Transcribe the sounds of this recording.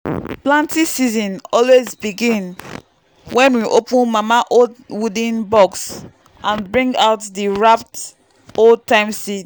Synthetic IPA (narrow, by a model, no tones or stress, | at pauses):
plãntisizɔ̃nɔlwezbiɡĩn | wʔɛ̃nwiʔopũnmamaʔodwudĩnbɔks | ʔãnbɹĩŋɡaʊtdiɹap̚t | old̚tãɪ̃msit